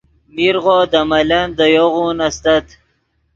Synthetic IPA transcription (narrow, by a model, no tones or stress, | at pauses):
miɾʁod̪amaland̪əjoʁunast̪at̪